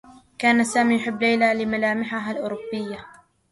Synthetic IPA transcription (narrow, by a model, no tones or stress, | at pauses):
kaːnasaːmiːjʊħɪbːlajlalɪmalaːmɪħaɦalʔʊːɾʊbːɪjːa